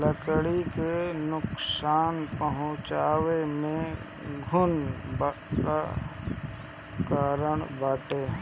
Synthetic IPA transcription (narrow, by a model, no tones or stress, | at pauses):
ləkɽikenʊksaːnpəɦʊ̃t͡ʃaːwemẽ | ɡʱʊnba | ɾə | kaːɾəɽ̃baːʈeː